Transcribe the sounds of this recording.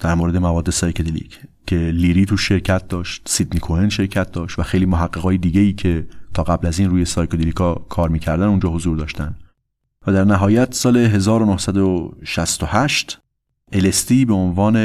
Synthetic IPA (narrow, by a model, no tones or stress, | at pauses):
d̪̥æɾmoːɾe̞d̪emævɒːd̪ːe̞sɒːjkʰed̪elḭcʰcʰːe̞liɾiːt̪ʰuʃːe̞ɾcʰæt̪̚d̪ɒːʃt̪̚sid̪nikʰoenʃe̞ɾcʰæt̪̚d̪ɒːʃt̪væxe̞jliːmoɦæɢːeɣɒːjed̪iːɟejiːcʰe̞t̪ʰɒːɣæblæziːnruːje̞sɒːjkʰod̪elikʰɒːkʰɒːɾmiːcʰæɾd̪ænund͡ʒɒːɦozuːɾd̪ɒːʃt̪ænd̪ | væd̪æɾnæɦɒːjæt̪sɒːle̞ɦe̞zɒːɾonohsæd̪oʃæst̪ohæʃt̪ | elest̪ibeonvɒːne